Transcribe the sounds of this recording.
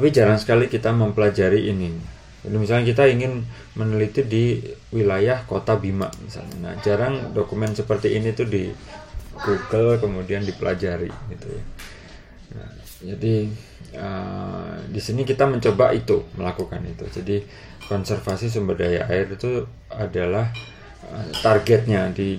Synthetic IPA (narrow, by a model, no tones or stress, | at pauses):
t̪apid͡ʒaɾaŋsə̥kalikit̪aməmpəlad͡ʒaɾiʔːni | d͡ʒadimisalɲakit̪aiŋɪn | mənəlit̪idiwilajahkot̪abima̰ʔmisa̰lɲa̰na̰hd͡ʒaɾaŋdokumɛnsəpərt̪iʔinit̪udi | ɡ̥uɡəlkəmudiandipəlʔa̰d͡ʒaɾḭɡit̪ṵja̰ | na̰h | d͡ʒadi | ə | disinikit̪aməɲt͡ʃoba̰ʔit̪uməlakukanit̪ud͡ʒadi | kɔnsɛrfasis̬əmbədajaaɪrit̪u | adalah | ət̪arɡɛt̪̚ɲadi